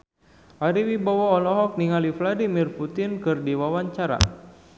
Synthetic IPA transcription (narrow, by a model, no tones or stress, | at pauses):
ʔaɾiwibawɔːlɔɦɔk̚niŋalifladimirput̪inkɨrdiwawaɲt͡ʃaɾa̰